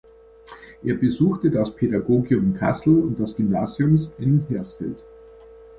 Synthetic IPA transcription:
ʔeːɐbəzuːxtədaspʰeɾaɡoːɡjʊmɪnkʰa̰sl̩ʊnt̚d̥asɡ̥ʏmnaːzjʊmsɪnhɛɐsfɪ̰lt

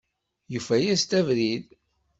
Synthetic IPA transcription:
jufæjæst̪ævɾið

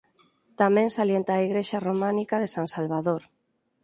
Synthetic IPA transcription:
t̪amẽŋsaljent̪aːiɣɾeʃaromãnikaðesaŋsalβaðoɾ

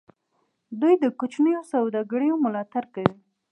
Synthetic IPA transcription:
d̪ujd̪əkʊt͡ʃnəjosawd̪ɑɡɽəjomʊlɑt̪aɾkawi

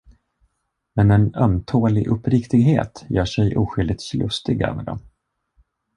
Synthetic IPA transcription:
mɛnɛnœmt̪ʰoːlɪʔɵpːɾɪkt̪ɪɡɦḛːt̪jœːʂɛjʔuːɧʏld̪ɪt̪slɵst̪ɪɡœ̰ːvɛ̰ɖ̪ɔ̰m

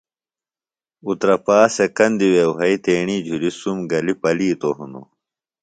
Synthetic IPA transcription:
ut̪ɾɐpaːsekɐnd̪iwewɦɐit̪eːɳiːd͡ʑʱuɾisumɡɐlipɐliːt̪oɦunṵ

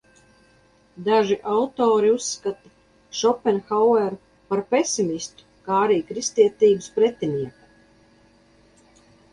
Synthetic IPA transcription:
d̪aʒiʔawt̪oːɾiusːkat̪a | ʃɔpɛnxawɛɾ | paɾpesimʲist̪u̥kaːaɾiːkɾist̪iɛt̪iːbɨspɾet̪ʲinʲiɛka

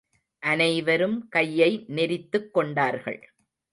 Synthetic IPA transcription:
ʔɐnɐɪʋɐɾɯmkɐjːɐɪnɛɾɪt̪ːɯkːɔɳɖaːɾɣɐ̰ɭ

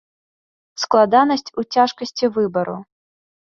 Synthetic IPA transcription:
sklˠad̪anɐsʲt͡sʲut͡sʲaʂkɐsʲt͡sʲivɨbɐɾṵ

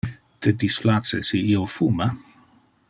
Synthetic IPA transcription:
t̪ʰəd̪isflat͡sə̰siiofuma

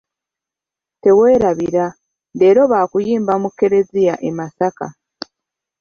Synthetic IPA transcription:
te̞weːɾaβiɾa | de̞ɾo̞βaːkujiːmbamukːe̞ɾe̞zijaʔemasaka̰

